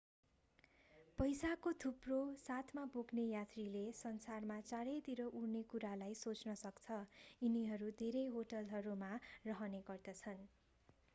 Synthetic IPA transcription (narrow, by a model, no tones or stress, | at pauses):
pʌjsakot̪ʰuprosat̪ʰmaboɡnejat̪rilesʌnsarmat͡saɾʌt̪iɾʌʔurnekuɾalajsot͡snʌsʌkt͡sʰʌiniɦʌɾud̪ʱeɾʌjɦoʈʌlɦʌɾumarʌɦʌneɡʌrd̪ʌt͡sʰʌn